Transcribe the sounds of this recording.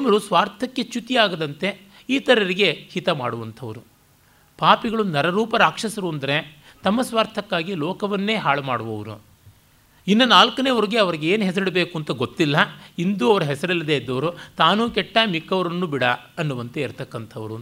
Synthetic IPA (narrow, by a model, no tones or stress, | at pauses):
mɐɾusʋaːɾt̪ʰɐkːe̞t͡ʃut̪iaːɡɐd̪ɐnt̪e̞ | iːt̪ɐɾɐɾiɡe̞hit̪ɐma̰ːɽuʋɐnt̪ʰɐʋɐɾu | paːpiɡɐɭunɐɾɐɾuːpɐɾaːkʂɐsɐɾuɐnd̪ɐɾe̞t̪ɐmːɐsʋaːɾt̪ʰɐkːaːɡilɔːkɐʋɐnːe̞ːɦaːɭɐmaːɽuʋɐʋɐɾṵ | inːɐnaːlkɐneʋɐɾiɡeɐʋɐɾiɡeeːnɦɛs̬ɐɾiɽebe̞ːkuɐnt̪ɐɡot̪ːilːɐind̪uɐʋɐɾɐɦɛsɐɾilːɐd̪eid̪ːɐʋɐɾut̪aːnuːkɛʈːamikːɐʋɐɾɐnːubiɽɐ | ɐnːuʋɐnt̪eiɾt̪ɐkːɐnt̪ʰɐʋɐɾu